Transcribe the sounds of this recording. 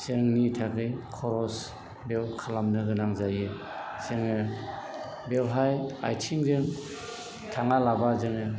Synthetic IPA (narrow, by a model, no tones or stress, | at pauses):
sɯŋnitʰaɡɯjkʰɔɾɔs | bewkʰalamnɯɡɯnaŋzajɯ | sɯŋɯ | belɦaja̰jtʰiŋzɯŋ | tʰaŋalabazɯŋɯ